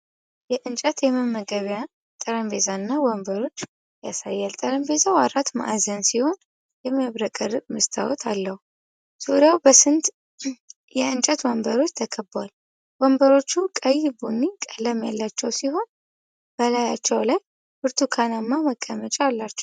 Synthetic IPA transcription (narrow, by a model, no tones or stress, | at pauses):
jɛʔɨnt͡ʃʼət̪jɛməmːəɡəβjan | t̪ʼəɾəmbezanːawɔmbəɾo̞t͡ʃː | jasajːɛlt̪ʼəɾəmbe̞zawaɾat̪ma̰ʔazənsiho̞n | jɛməβɾəkʼərɨkʼmɨst̪ʰa̰wɔt̪ʰa̰lːəhu | suɾjawbəsɨnt̪ | jɛɨnt͡ʃʼɛt̪wɔmbəɾo̞t͡ʃːt̪ʰəkʰəbal | wɔmbəɾo̞t͡ʃːukʼəjːɪbunːikʼələmjalːat͡ʃːɛwsiho̞n | b̥əlaja̰t͡ʃːɛwlaj | b̥ɨɾt̪ʰukʰanamːaməkʼːəmət͡ʃʼaalːat͡ʃːɛ̥w